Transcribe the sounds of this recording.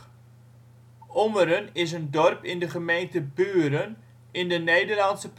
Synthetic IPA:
ʔɔməɾənɪs̬əndɔrpɪndəχəmejntəbyːɾən | ɪndənejdərlɑntsəp

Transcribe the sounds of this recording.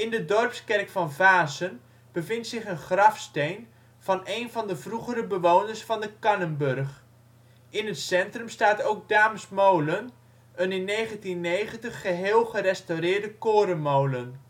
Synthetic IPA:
ɪndədɔrpskɛrkfɑnvaːsən | b̥əvɪntsɪχənχrɑfstejn | v̥ɑnejnvɑndəvruχəɾəbəʋownəɹsfɑndəkɑnənbɵrχ | ɪnətsɛntrəmstaːtowk̚daːməsmowlən | ənɪnːejχəntinːejχəntəχːəɦeːlˠχəɾɛstowrɪːɹdəkoːɾənmowlən

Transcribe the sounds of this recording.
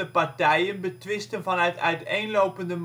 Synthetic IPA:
əpɑɹtɛjənbətʋɪstənvɑnœɥtœ̰ɥtejnlowpəndəm

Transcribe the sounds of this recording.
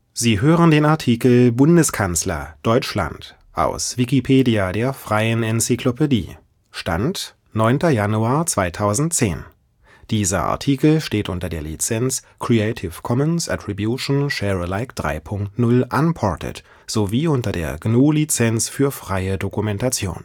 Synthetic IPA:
z̥iːɦøːʁəndeːnaɐtʰiːkl̩bʊndəskʰanslɐ̰d̥ɔʏt͡ʃʃla̰nt | ʔa̰ʊsv̥ikipʰeːdiadeːɐfʁ̥aɪənɛnsikʰlopedḭː | ʃta̰nt | nɔʏntɐjanuaːɐt͡sv̥aɪtʰaʊzn̩t̚t͡sḛːn | d̥iːzɐ̰ʔa̰ɐtʰiːkl̩ʃteːtʔʊntɐdeːɐlḭt͡sɛnt͡s | kʁ̥iɛɪtʰɪfkʰɔmənsʔa̰tʁ̥ibjuʃn̩ʃɛːʁəlaɪkd̥ʁa̰ɪpʰʊŋktnʊlʔanpʰɔɐtʰə̰t | z̥oviːʔʊntɐdḛːɐɡnoːlit͡sɛnsfyːɐfʁ̥aɪədokumɛntat͡sjo̰ːn

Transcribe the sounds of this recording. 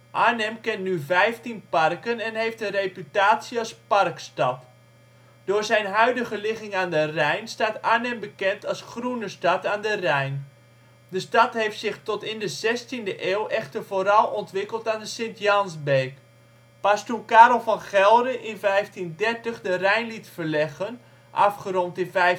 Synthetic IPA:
ʔaɹnɛmkɛntnyvɛjftinparkənɛnɦejftənrejpytaːsiɑsparkstɑp | d̥oːɹzɛjnɦœɥdəɣəlɪχɪŋaːndərɛjnstaːtaɹnɛmbəkɛntɑlˠsχrunəstɑtaːndərɛjn | dəstɑtɦejftsɪχtɔtɪndəzɛstindəʔeːwʔɛχtərvoːɾɑlˠɔntʋɪkəlˠtaːndəsɪntjɑnsbeːk | pastukaːɾɔl̩ˠfɑnχɛlˠɾəʔɪnvɛjftindɛrtəχdərɛjnlitfərlɛɣən | ʔɑ̰fχəɾɔntɪnvɛj

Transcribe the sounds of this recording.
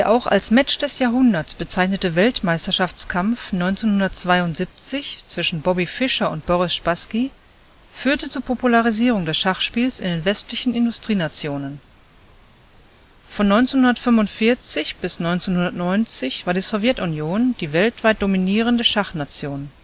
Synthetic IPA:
d̥eːɐʔaʊxa̰lsmɛt͡ʃd̥ɛsjaːɦʊndɐtsb̥ət͡saɪçnətəvɛltmaɪstɐʃaft͡skʰamfnɔʏnt͡senhʊndɐtt͡sv̥aɪʊntz̥iːp̚t͡sɪçt͡sv̥ɪʃn̩bɔbifɪʃɐʊnt̚b̥ɔʁɪsʃpaski | fyːɐtət͡suːɐpʰopulaʁiziːʁ̞ʊŋdɛsʃaχʃpiːlsɪ̰ndeːnvɛstlɪçn̩ɪndʊstʁ̥iːnat͡sjoːnən | fɔnːɔʏnt͡senhʊndɐtfʏmvʊntfɪɐt͡sɪçb̥ɪsnɔʏnt͡senhʊndɐtnɔʏnt͡sɪçv̥aːɐdiːzɔvjɛtunjoːnd̥iːvɛltv̥aɪt̚d̥ominiːʁəndəʃaχnat͡sjoːn

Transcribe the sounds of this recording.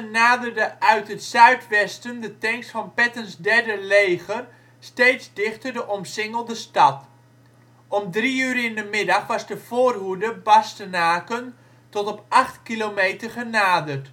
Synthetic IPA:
ənaːdərdəʔœɥtətsœɥtʋɛstəndətɛŋksfɑnpɛtənzdɛɹdəlejχər | stejtzdɪχtərdəʔɔmsɪŋəlˠdəstɑt | ɔmdriyːɾɪndəmɪdɑχʋɑzdəv̥oːrɦudəbɑstənaːkən | tɔtɔpʔɑχtkilomejtərχənaːdərt

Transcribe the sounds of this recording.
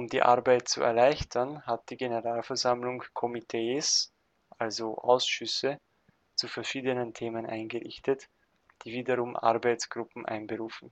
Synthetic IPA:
ʔʊmdiːʔaɐbaɪt̚t͡sṵɛ̰ɐlaɪçtʰɐnhat̚d̥iːɡenəʁaːlfɛɐzamlʊŋkʰɔmitʰeːs | ʔalzoʔaʊsʃʏsə | t͡sufɛɐʃiːdənəntʰeːmənʔa̰ɪnɡəʁɪ̰çtət | d̥iːviːdɐʁʊmʔa̰ʁbaɪt͡sɡ̥ʁʊpm̩ʔa̰ɪnbəʁuːfn̩

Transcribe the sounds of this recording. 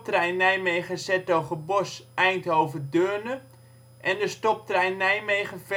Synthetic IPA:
trɛjnɛjmejχəsɛtowχəbɔsɛjntowvədørnə | ʔɛndəstɔp̚trɛjnːɛjmejχəf

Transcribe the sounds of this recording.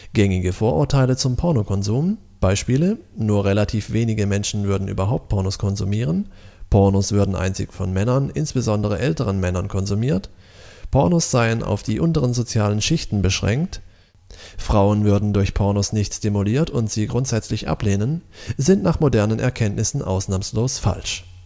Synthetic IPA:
ɡ̥ɛŋɪɡəfoːɐʔʊɐtʰaɪlət͡sʊmpʰɔɐnokʰɔnzuːm | b̥aɪʃpiːlənuːɐʁelatʰiːfv̥eːnɪɡəmɛnʃn̩vʏɐdn̩ʔy̰ːbɐɦaʊp̚t̚pʰɔɐnoskʰɔnzumiːʁ̞ənpʰɔɐnosv̥ʏɐdn̩ʔa̰ɪnt͡sɪ̰kfɔnmɛnɐnʔɪ̰nsb̥əzɔndəʁəʔɛltəʁ̞ənmɛnɐnkʰɔnzumiːɐt | pʰɔɐnosz̥aɪənʔa̰ʊfd̥iːʔʊntəʁənzot͡sjaːlənʃɪçtn̩bəʃʁ̥ɛ̰ŋkt | fʁ̥aʊənvʏɐdn̩dʊɐçpʰɔɐnosnɪçtsstimuliːɐtʊntz̥iːɡʁʊntz̥ɛt͡slɪçʔa̰pleːnənzɪntnaːχmodɛɐnənʔɛ̰ɐkʰɛntnɪsn̩ʔa̰ʊsnaːmsloːsfa̰lʃ

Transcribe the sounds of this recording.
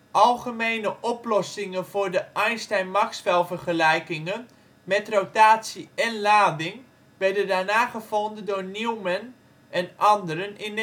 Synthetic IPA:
ʔɑlˠχəmejnəʔɔplɔsɪŋəvʊːɹdəʔɛjnstɛjnmaksfɛlˠvərχəlɛjkɪŋən | mɛtrowtaːtsiɛnlaːdɪŋ | ʋɛrdəndaːnaːχəvɔndədʊːrniwmɛn | ɛnʔɑndəɾənɪn

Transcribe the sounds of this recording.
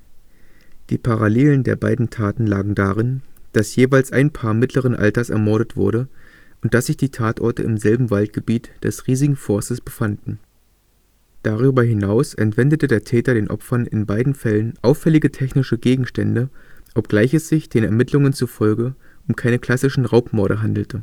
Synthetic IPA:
d̥iːpʰaʁaleːləndḛːɐbaɪdn̩tʰaːtn̩la̰ːɡŋ̩daːʁɪnd̥asjeːvaɪlsʔa̰ɪnpʰaːɐmɪtʰləʁ̞ənʔa̰ltɐsɛ̰ɐmɔɐɾətv̥ʊ̰ɐɾə | ʔʊntd̥asz̥ɪçd̥iːtʰaːtʔɔɐtə̰ʔɪmzɛlbm̩valtɡ̥əbiːtd̥ɛ̰sʁiːzɪɡŋ̩fɔɐstəsb̥əfandn̩ | d̥aʁ̞yːbɐɦɪnaʊsʔɛ̰ntv̥ɛndətədeːɐtʰɛːtɐɾeːnʔɔ̰pfɐnɪ̰nbaɪdn̩fɛlənʔaʊfɛlɪɡətʰɛçnɪʃəɡeːɡŋ̩ʃtɛndəʔɔpɡ̥laɪçɛsz̥ɪçd̥eːnɛɐmɪtʰlʊŋənt͡sufɔlɡəʔʊmkʰaɪnəkʰl̥asɪʃn̩ʁaʊpmɔɐɾəɦandl̩tʰə

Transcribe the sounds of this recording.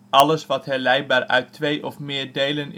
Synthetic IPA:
ʔɑləsʋɑtɦɛlɛj̚baːɹʔœ̰ɥtːʋejʔɔfmɪːɹdejlən

